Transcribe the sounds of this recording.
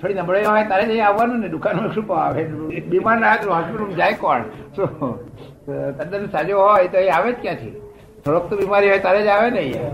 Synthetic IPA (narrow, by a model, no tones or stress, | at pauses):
t̪ʰoɽinəbɽəjɦɔjt̪aɾed͡ʒəĩaʋːanũned̪ukanekʃupaaʋebimaɾnaɦat̪ɦaspiʈumd͡ʒajkɔ̰ɳso | t̪əd̪ənsad͡ʒoɦɔjet̪oĩaʋet͡ʃkjãt̪ʰḭ | t̪ʰoɽokt̪obimaɾiɦɔjt̪aɾed͡ʒaʋenej